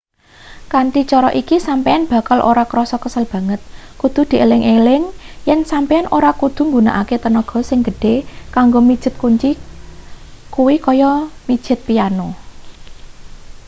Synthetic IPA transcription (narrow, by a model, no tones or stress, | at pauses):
kanʈ̪it͡ʃɔɾɔʔikisampeanb̥ä̤kalʔo̰ɾakɾɔsɔkəsəlb̥ä̤ŋət̪̚kud̪̥ṳd̪̥i̤ʔelɪŋʔelɪŋjɛnsampeanʔoɾakud̪̥ṳŋɡuna̰ʔaket̪ənɔɡ̥ɔ̤sɪŋɡə̤ɖ̥e̤kaŋɡomid̥ʒ̥ɪ̤t̪̚kuɲt͡ʃi | kuwikɔjɔmi̥ʒ̥ɪ̤t̪̚piano